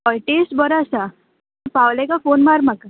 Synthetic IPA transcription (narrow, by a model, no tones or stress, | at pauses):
ɔjʈisʈbəɾasa | pawlɛkafonmaɾmaka